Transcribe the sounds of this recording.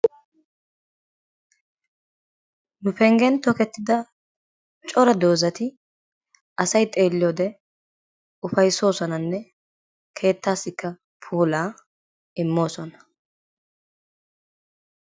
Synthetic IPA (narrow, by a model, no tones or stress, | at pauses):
nʊpɛŋɡɛnt̪ɔkɛt̪ːɪd̪ɐ | t͡ʃʼɔɾɐd̪o̞ːzɐt̪ɪ | ɐsɐjt̪ʼe̞ːlːɪjoːd̪ɛ | ʊfɐjso̞ːsɔnɐnːɛ | kʰe̞ːt̪ːaːsɪkːɐ | pʰuːlaː | ɪmːo̞ːsɔnɐ̥